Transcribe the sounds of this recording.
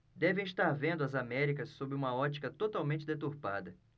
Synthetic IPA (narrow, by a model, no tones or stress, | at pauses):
d̪ɛvẽiʃt̪aɾvẽnd̪ʊɐzamɛɾikɐsːobɪũmɐɔt͡ʃi̥kɐt̪ot̪awmẽnt͡ʃɪd̪et̪uɾpad̪ɐ